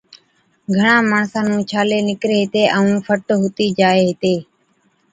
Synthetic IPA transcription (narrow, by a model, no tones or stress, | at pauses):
ɡʱəɳãːmaːɳsãːnũːt͡ʃʰaːleːnɪkɾeːɦɪt̪eːʔəũːfʰəʈɦʊt̪iːd͡ʒaːeːɦɪt̪eː